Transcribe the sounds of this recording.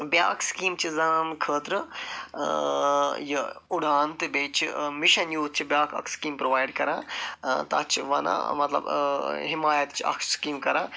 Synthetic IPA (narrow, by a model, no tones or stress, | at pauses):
bjaːkskiːmt͡ʃʰizɐnkʰəːt̪ɾɨ | jɐʊɽaːnt̪ɨbeːt͡ʃʰimiʃɐnjuːzt͡ʃʰibjaːkʰɐ̰kskiːmpɾoʋaːjɖkɐɾãːt̪a̰ːt͡ʃʰiʋɐnã̰mɐt̪lɐ̰bɦimaːjɐt̪t͡ʃʰiɐ̰ksskiːmkɐɾãː